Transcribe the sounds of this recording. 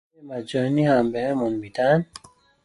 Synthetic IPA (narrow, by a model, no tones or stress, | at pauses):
emæd͡ʒɒhnihæmbehemunbid̪ænd̪